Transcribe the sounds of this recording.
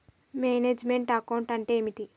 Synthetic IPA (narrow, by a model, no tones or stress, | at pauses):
meːneːd͡ʒmeɳʈɐkɐwɳʈɐɳʈe̞ːmiʈ̪i